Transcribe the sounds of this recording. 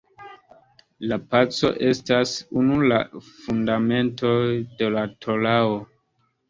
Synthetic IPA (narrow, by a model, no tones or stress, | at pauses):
lapat͡so̞̰ʔe̞stasunula̰fundame̞nto̞de̞latʰo̞lao